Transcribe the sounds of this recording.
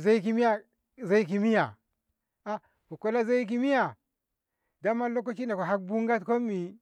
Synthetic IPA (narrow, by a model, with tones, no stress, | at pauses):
za˦i˦ki˦mi˦ja˦ | za˦i˦k̬i˨mi˦ja˨ | a˦ | ku˨ko˦la˦za˦i˦k̬i˦mi˦ja˨ | da˦ma˦lo˦k̬o˦t͡ʃi˦na˨ko˨ɦa˦k̚bu˦ŋɡa˦tko˦mːi˨